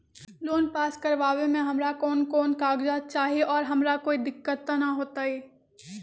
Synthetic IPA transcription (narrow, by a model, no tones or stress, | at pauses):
loːnpaːskɐɾʋaːʋẽmẽɦɐmɾakɔːnkɔːnkaːɡd͡ʒaːt͡ʃaːɦieʔɔːɾɦɐmɾakoːid̪ɪkːət̪ːanɐɦoːt̪aɛː